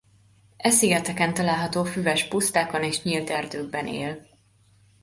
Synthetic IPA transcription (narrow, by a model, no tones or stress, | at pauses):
ʔɛsiɡɛt̪ɛkɛnt̪ɒlaːlɦɒt̪oːfyvɛʃpust̪aːko̞neːʃɲilt̪ɛrd̪øːɡ̚bɛnḛːl